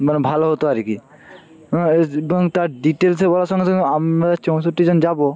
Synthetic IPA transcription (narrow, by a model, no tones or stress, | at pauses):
mɛnbʱaloɦot̪oaɾikĩ | ebɔŋt̪aɾɖiʈelsʰebolasɔŋɡet̪ʰɔkamɾat͡ʃõw̃soʈid͡ʑɔnd͡ʒabo